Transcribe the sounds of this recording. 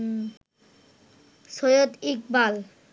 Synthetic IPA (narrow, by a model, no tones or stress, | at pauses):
sojod̪ik̚bal